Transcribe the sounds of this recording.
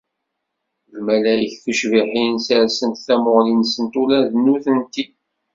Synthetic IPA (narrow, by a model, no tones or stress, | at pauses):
lmælæjəçθuʃviħinsæɾsənt̪θæmoʁlinsənt̪ulæðənːuθənt̪i